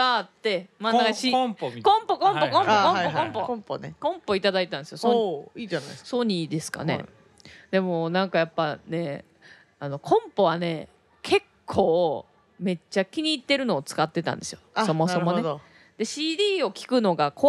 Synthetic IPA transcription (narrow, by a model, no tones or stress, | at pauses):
at̪ːe̞mãnaɡaɕkõmpokõmpokõmkõpoõmpopkõ̞mpo̞it̪ad̪ait̪ãnd̪esɨjosoinajsoɲ̟id̪e̞sɨ̥ka̰ne̞̰ | d̪e̞mo̞nãŋkajapːane̞ | ano̞kʰõ̞mpo̞βane̞ | kʰe̞kʰːo̞ː | me̞t͡ɕːakʲiɲ̟iːt̪ːe̞ɾɯ̟no̞ːt͡sɨ̥kat̪ːe̞t̪ã̰nd̪e̞sɨjoso̞mo̞ssomoned̪ | d̪̥e̞ɕiːd̪ʲiːo̞kʲi̥kɯ̟no̞ɡakʰo